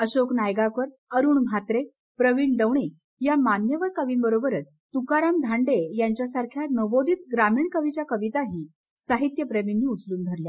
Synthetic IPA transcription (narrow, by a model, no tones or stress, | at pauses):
əɕoknajɡakəɾ | əɾuːɳm̤ʱat̪ɾe | pɾəʋiːɳd̪əʋɳiː | jamanjəʋəɾkəʋiːnbəɾobəɾət͡st̪ukaɾamd̪ʱaɳɖejaɲt͡ɕjasaɾkʰjanəbod̪ʱiːt̪ɡɾamiːɳkəʋit͡ɕjakəʋit̪aɦiː | saɦit̪jəpɾəminːiːut͡sluːnd̪ʱəɾlja